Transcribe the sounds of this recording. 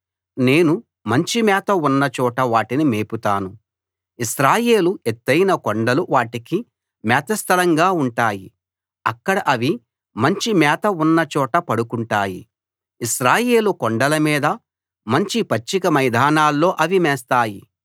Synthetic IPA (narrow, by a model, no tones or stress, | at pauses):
ne̞ːnu | mɐɲt͡ʃimɛːt̪ɐunːɐt͡ʃɔːʈɐʋaːʈinimeːput̪aːnu | iʃɾaːje̞ːluet̪ːɐjnɐkoɳɖɐluʋaːʈiki | mɛːt̪ɐst̪ʰɐlɐŋɡaːuɳʈaːji | ɐkːɐɽɐʔɐʋi | mɐɲt͡ʃimɛːt̪ɐunːɐt͡ʃɔːʈɐpɐɽukuɳʈaːjḭ | iʃɾaːje̞ːlukoɳɖɐlɐmiːd̪ɐ | mɐɲt͡ʃipɐt͡ʃːikɐmɐjd̪ʱaːnaːlːo̞ːʔɐʋimɛːst̪aːji